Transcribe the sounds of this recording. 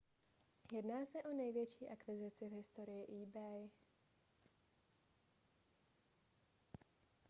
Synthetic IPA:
jɛd̪naːsaʔɔnajʋjɛt͡ʃiʔakʋizit͡sɪɪvɦist̪ɔɾijiʔiːbɛj

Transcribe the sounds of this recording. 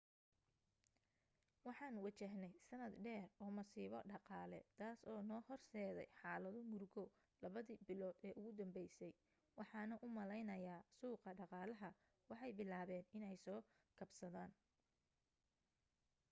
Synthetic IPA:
wɑħɑːnwɑt͡ʃɛɦnɛjsɐnɐd̪ɖɛːrɔːmɐsiːβɐɖɑqɑːlɛ̰t̪ʰaːsɔːnɔːhɔrsɛːðɛ̰jħɑːlɐðʊmʊrɡɔ | lɐβɐðiːbɪlɔːd̪ɛːʔʊɣʊd̪ɐmbɛjsɛj | wɑħɑːnɐʔʊmɐlɛjnɐjaːsuːqɐɖɑqɑːlɐɦɐ | wɑħɑjbɪlaːβɛːnɪnɛjsɔː | kʰɐbsɐðaːn

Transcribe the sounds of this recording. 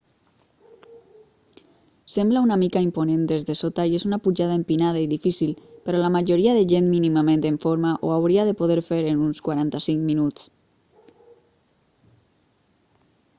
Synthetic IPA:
semblaunamikaimponend̪ezðesot̪aiezunapuʒaðaempinað̞aiðifisilpeɾɔlamaʒoɾiaðeʒenminimamẽnt̪eɱfoɾmaʔoawɾiaðepoð̞eɾfeɾenunskwaɾant̪asiŋkminut͡s

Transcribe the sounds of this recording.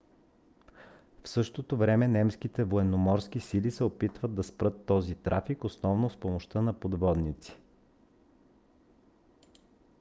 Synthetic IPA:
fsɤʃt̪ot̪ovɾɛmɛnɛmskit̪ɛvoɛnomɔɾsk̟isilisɛopit̪vəd̪̚d̪ːɐspɾɤt̪ːɔzit̪ɾʔafikosnɔvnospomoʃt̪ɤnɐpod̪vɔd̪nit̪si̥

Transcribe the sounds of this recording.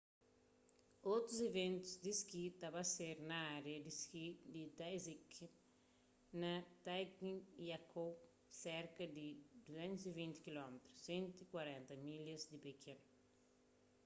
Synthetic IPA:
ot̪ɾuzevẽnt̪uzd̪iskit̪abɐseɾnɐaɾeɐd̪iskid̪id̪ajzik | nɐt̪ajkniiakʰow | sɛɾkɐd̪id̪uzẽnt̪uzivĩnt̪i̥kilɔmet̪ɾusːẽnt̪ikwaɾɛ̃nt̪ɐmilɐzd̪ipekʰẽn

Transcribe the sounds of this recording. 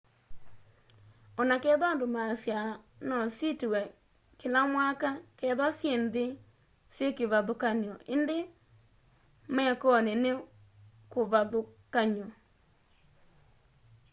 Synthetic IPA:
ɔnakɛːðwandomasja | nɔsitewɛ | kelamwakakɛðwasjende | sjekeβaðokaniɔʔende | mɛːkɔnene | koβaðokaɲɔ

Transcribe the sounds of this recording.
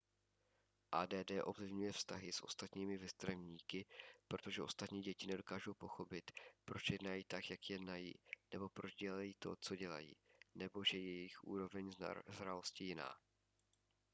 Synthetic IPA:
ʔaːdɛːdɛːʔo̞vlɪvɲujɛfst̪aɦɪsʔo̞̰st̪at̪ɲiːmɪvɛst̪ɾavɲiːkɪpɾo̞t̪o̞ʒɛʔo̞st̪at̪ɲiːɟɛcɪnɛdo̞kaːʒowpo̞xo̞pɪt̪pɾo̞t͡ʃjɛdnajiːt̪akjakjɛdnajḭːnɛbo̞pɾo̞d͡ʒɟɛlajiːt̪ot͡so̞ɟɛla̰jḭːnɛbo̞ʒɛjɛjɪxʔṵːɾo̞vɛɲzzɾalo̞scɪjɪna̰ː

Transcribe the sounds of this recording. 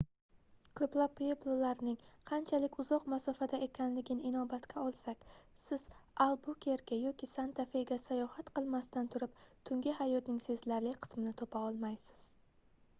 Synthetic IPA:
kʰɵplapːjeblˠolaɾnɪŋqʰɑnt͡ʃʰalɪkʲʊzɒqmasɒfad̪ae̞kʲʰanlɪɡʲɪnɪɪnɒbat̪kʲʰaɒlˠsakʲ | sɪz̥alˠbʊkʲʰe̞ɾɡʲajɒkʲisant̪ʰafe̞ɡʲasajɒhat̪qɨlˠmast̪ant̪ʰʊɾɪp̚t̪ʰʊŋɡʲɪhajɒt̪nɪŋse̞zlaɾlɪkʲqʰɨ̥smɪnɪt̪ʰopaɒlˠmajsɪ̥z̥

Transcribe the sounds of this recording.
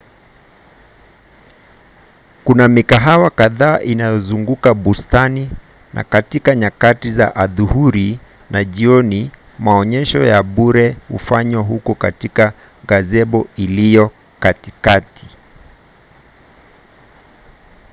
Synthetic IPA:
kunamikaɦawakaðaːʔinajɔzuŋɡukaɓustani | nʔa̰katikaɲakatizaʔaðuhuɾi | naʄiɔni | maɔɲɛʃɔjaɓuɾɛhṵfaɲwaɦukɔkatika | ɣazɛɓɔilijɔ | katikatʰi̥

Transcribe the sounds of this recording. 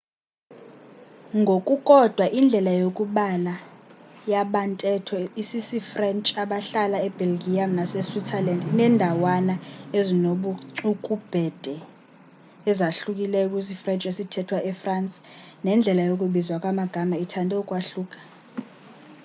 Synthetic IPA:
ŋɡʱokʼukʼɔd̥ʱwaʔind͡ɮʱɛlajokʼuɓalajaɓantʼɛtʰɔisisifrɛnt͡ʃʼaɓaɬalaɛb̥ɛlɡijamnasɛswitʰɛlandnɛndʱawanaezinoɓuǀukʼub̥ʱɛd̥ʱɛ | ɛzaɬukʼilɛk̬ʼisifrɛnt͡ʃʼesitʰɛtʰwaʔɛfransʼ | nɛnd͡ɮʱɛlajokʼuɓizwakʼwamaɡ̥ʱamaitʰandʱɛukʼwaɬuːkʼḁ

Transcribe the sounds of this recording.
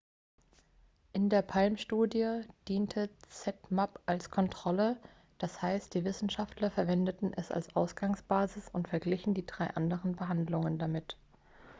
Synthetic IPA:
ʔɪndeːɐpʰalmʃtuːdjəd̥iːntʰət͡sɛtmapʔalskʰɔntʁ̥ɔlə | d̥ashaɪst̚d̥iːvɪsn̩ʃaftlɐfɛɐvɛndətn̩ʔɛsa̰lsʔaʊsɡ̥aŋsb̥aːzɪsʊntfɛɐɡlɪçn̩diːdʁaɪʔandəʁənbəɦandlʊŋəndamɪt

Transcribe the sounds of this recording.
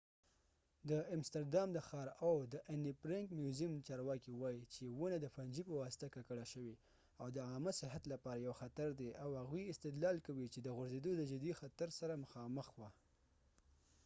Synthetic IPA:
d̪əɪmst̪aɾdɑmd̪əxɑɾawd̪əʔanipɾɪŋkmjuzimt͡ʃɑɾwɑkiwɑjit͡ʃewənad̪əfand͡ʒipəwɑsɪ̥t̪akakəɽaʃəwi | awd̪əɑməsɪɦat̪lapɑɾajawxat̪aɾd̪eʔawhaɣwiɪst̪ɪd̪lɑlkawit͡ʃed̪əɣʊɾzed̪od̪əd͡ʒɪd̪ixat̪aɾsaɾaməxɑməxwa

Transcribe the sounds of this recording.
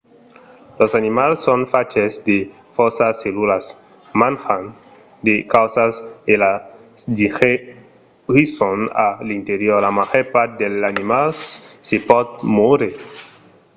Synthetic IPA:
losanimalsːonfat͡ʃesd̪e | fosaselulas | mãnxan | d̪ekawsasela | sd̪ixe | isona̰lint̪eɾjoɾlamaʝoɾpaɾt̪̚d̪elanimalsepɔd̪̚moɾe

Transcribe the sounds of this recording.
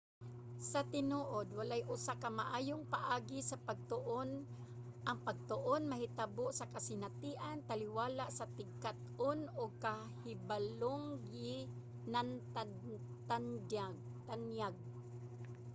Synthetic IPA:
sɐt̪ɪnoːʔod̪̚walajʔʊsakamaʔaːjoŋpaʔaːɡɪsɐpaɡ̚t̪ʊʔon | ʔɐŋpɐɡ̚t̪ʊʔonmɐɦɪt̪aboʔsɐkasɪnat̪iːʔant̪alɪwaːlaʔsɐt̪ɪɡ̚kat̪̚onʊɡ̚ka | hɪbaloŋɡɪ | nant̪a | t̪and͡ʒaɡ | t̪anjaɡ̚

